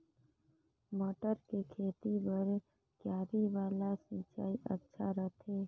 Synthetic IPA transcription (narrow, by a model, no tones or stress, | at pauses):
mɔːʈəɾkekʰeːt̪ibəɾ | kjaːɾiʋaːlasĩt͡ʃaːiʔətːʃʰaɾət̪ʰeː